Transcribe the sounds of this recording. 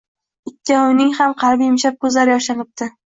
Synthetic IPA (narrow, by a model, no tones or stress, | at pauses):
ɪtʲʰːaʊnɪŋhamqʰɑɾbijɪmʃap̚kʰɵzlaɾɪjɒʃanɪp̚t̪ɪ